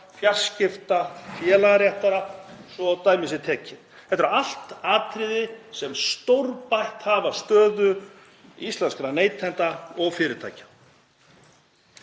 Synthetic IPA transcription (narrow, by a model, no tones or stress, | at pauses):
fjar̥scɪft̪afjɛːlaɾjɛht̪aɾasɔawt̪aːjmɪsɪt̪ʰɛːcʰɪ | hɛht̪ʏɾaal̥t̪aːt̪ʰɾɪðɪsɛmst̪owɾpajht̪havast̪œːðʏ | ist̪lɛnskɾaneːjt̪ʰːɛnt̪aɔɣfɪːɾɪt̪ʰa̰ːjcḁ